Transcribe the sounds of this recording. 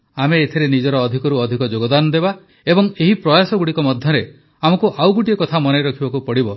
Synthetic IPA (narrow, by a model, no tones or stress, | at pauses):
ameːt̪ʰiɾenid͡ʒɔɾɔːd̪ʱikɔɾuɔd̪ʱikɔd͡ʒoɡɔd̪anɔd̪eba | ebɔŋeɦipɾɔjasɔɡuɽikɔmɔd̪ʱjɔɾe | amɔkuʔawɡuʈiekɔt̪ʰamɔnajɾɔkʰibɔkupɔɽibɔ